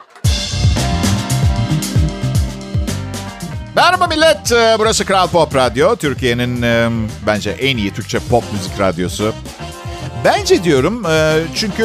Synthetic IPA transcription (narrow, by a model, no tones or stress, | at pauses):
bæɾɾabamilʲːɛt̪ːbuɾɐsɯkɾalʲˠpʰopɾad̪jo̞t̪ʰyɾcʰije̞ninbænd͡ʒɛ̰ʔɛnijit̪ʰyɾkc̚t͡ʃʰɛpʰopmyzicɾad̪jo̞sʊ | bænd͡ʒɛd̪ijo̞ɾumɯːt͡ʃʰyɲcʰy